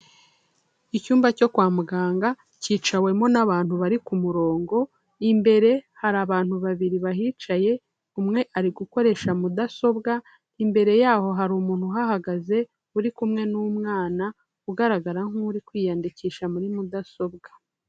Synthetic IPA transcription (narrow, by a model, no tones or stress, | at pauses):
icuːmbaco̞kwaːmuɡaːŋɡa | ciːt͡ʃawe̞mo̞naβaːnhuβaɾikumuɾo̞ːŋɡo̞ | imbe̞ɾe̞haɾaβaːnhuβaβiɾiβaɦiːt͡ʃaje̞ | umŋe̞ʔaɾiɡuko̞ɾe̞ʃamudaso̞bɡa | imbe̞ɾe̞jaːho̞ɦaɾuːmuːn̥huɦahaɡaze̞ | uɾikumŋe̞numŋaːna | uɡaɾaɡaɾaŋuːɾikwiːjaːndiciːʃamuɾimudaso̞bɡḁ